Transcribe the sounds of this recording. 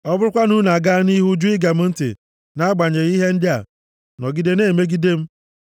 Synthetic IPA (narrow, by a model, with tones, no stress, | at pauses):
ɔ˦bʊ˦ɾʊ˦kʷa˦nu˦na˨ɡa˦ni˦ɦu˦d͡ʒu˦i˦ɡa˨m̩˦n̩˦tḭ˨ | na˦ɡ͡ba˨ɲe˨i˦ɦe˦n̩˦dɪ˦a̰˨ | nɔ˨ɡi˦de˦ne˦˨me˦ɡi˦de˦m̩˦